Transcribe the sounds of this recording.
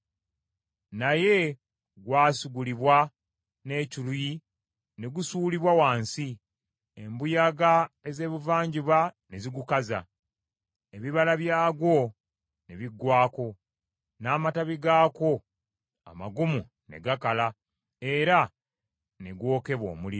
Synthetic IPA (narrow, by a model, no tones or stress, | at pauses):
naje̞ | ɡwaːsiɡuliβwa | ne̞ːciluji | ne̞ɡusuːliβwawaːnsi | embujaɡae̞ze̞ːβuvaːɲɟiβaneziɡukaza̰ | eβiβalaβjaːɡwo̞ | ne̞βiɡːwaːko̞ | naːmataβiɡaːko̞ | a̰ma̰ɡumu | ne̞̰ɡakala | e̞ɾa | ne̞ɡwo̞ːke̞βwo̞̰ːmuli